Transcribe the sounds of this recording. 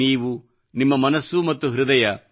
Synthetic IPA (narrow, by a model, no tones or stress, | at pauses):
iːʋu | nimːɐmɐnɐsːumɐt̪ːuɦɾud̪ɐjɐ